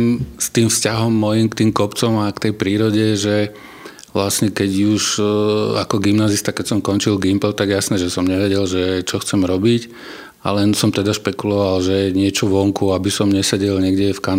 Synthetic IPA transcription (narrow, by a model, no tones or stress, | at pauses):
mst̪iːmfscaɦɔmːɔjimkt̪iːmkɔpt͡sɔmakt̪ɛjpɾiːɾɔɟɛʒɛ | ʋlasɲɛkɛɟuʒ | a̰kɔɡimnaːzist̪akɛcsɔmkɔnt͡ʃilɡimpɛlt̪aɡjɛjasnɛːʒɛsɔmɲɛʋɛɟɛlʒɛt͡ʃɔxt͡sɛmɾɔbic | a̰lɛnsɔmt̪ɛd̪aʃpɛkulɔʋalʒɛɲɪɛt͡ʃɔʋɔŋkuabisɔmɲɛsɛɟɛlɲɛɡɟɛfkan